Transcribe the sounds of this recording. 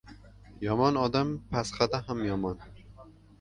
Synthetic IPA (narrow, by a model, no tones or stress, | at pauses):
jɒmɒnɒd̪ampʰasχad̪aɦamjɒmɒn